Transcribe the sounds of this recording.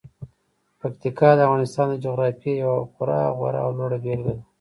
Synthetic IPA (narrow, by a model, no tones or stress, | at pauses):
pakt̪ikɑd̪əavɣɑnɪst̪ɑnd̪əd͡ʒoɣɾɑfjejawapʊɾɑ̰ɣwa̰ɾa̰ːwloɽabelɡəla